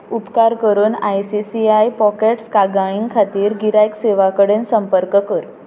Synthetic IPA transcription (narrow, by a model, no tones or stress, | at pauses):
upkaɾkəɾuːna̰jsisiajpɔkeʈskaɡaɭ̃iŋɡkʰat̪iːɾɡiɾajkseʋakəɽensəmpəɾkəkəɾ